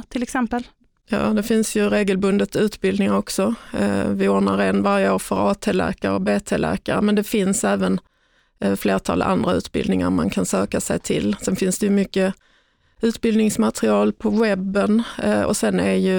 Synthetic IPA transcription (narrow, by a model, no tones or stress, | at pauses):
t̪ʰɪlɛksɛmpəl | jɑ̰ːd̪ɛfɪnsjɵɾeːɡəlbɵnd̪ət̪sʉ̟ːt̪bɪld̪nɪŋaɾɔksɔvɪʊːɳaɾeːnvaɾjəoːɾfœɾɑːt̪ʰeːlæ̰ːkaɾəɔbeːt̪ʰelæ̰ːkaɾəmɛnd̪ɛfɪnsɛːvən | fleːʈ̪ʰɑ̰ːlʔa̰nd̪ɾaʉ̟ːt̪bɪ̰ld̪nɪŋa̰ɾma̰nkʰansøːkasɛjt̪ʰɪlsɛnfɪnsd̪ɛjɵmʏkːə | ʉ̟ːt̪bɪld̪nɪŋsmat̪ɾɪɑːlpʰɔwɛbːənɔ̰sɛnːæjɵ